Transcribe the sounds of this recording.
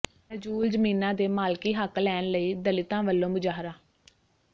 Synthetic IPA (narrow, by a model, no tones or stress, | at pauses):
əd͡ʒuːld͡ʒəmiːnãːd̪eːmaːlkiːɦəklɛːnləiːd̪əlɪt̪ãːʋəlːõːmʊd͡ʒaːɦɾaː